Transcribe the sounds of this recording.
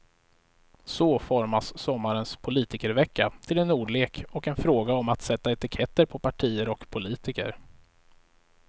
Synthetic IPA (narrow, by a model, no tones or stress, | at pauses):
sɔfɔɾmasːɔmːaɾənspʰʊliːt̪ɪkəɾvɛkːa̰t̪ʰɪlɛnuːɖɭeːkɔkɛnfɾoːɡaɔmat̪sɛt̪ːaɛt̪ɪkʰɛt̪ːəɾpʰɔpʰaʈʰiːəɾɔkpʰʊliːt̪ɪkə̰ɾ